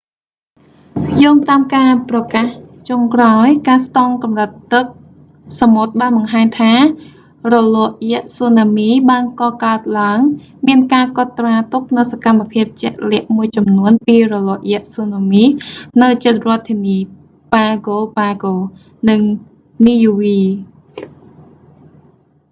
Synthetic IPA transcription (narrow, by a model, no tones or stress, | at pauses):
jɔːŋt̪aːmkaːprɑkaːht͡ɕoŋkraɔjkaːst̪ɑŋkɑmrət̪ːɨk̚ | samot̪̚ɓaːnɓɑŋɦaːɲt̪ʰaː | rɔlɔʔjɛ̆əʔsoːnaːmiːɓaːnkɑːkaət̪̚laəŋ | miənkaːkŏt̪ːraːt̪up̚nɨwsakamːapʰiəp̚t͡ɕɛ̆ʔlɛ̆əʔmuəjt͡ɕɑmnuənpiːrɔlɔːʔjɛ̆əʔsoːnamiːnɨwt͡ɕət̪̚rŏət̪ʰːiːniː | paːɡoːpaːɡoː | nɨŋ | niːjuʋiː